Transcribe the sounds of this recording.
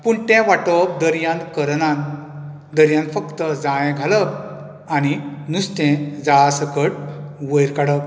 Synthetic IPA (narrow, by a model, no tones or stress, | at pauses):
puɳt̪ɛ̃ʋaʈəp̚d̪əɾjãnt̪kəɾnan | d̪əɾjãnt̪fəkt̪əd͡zãɭɛ̃ɡʱalə | añinust̪ɛ̃d͡zaɭasəkəʈʋəjɾkaɽə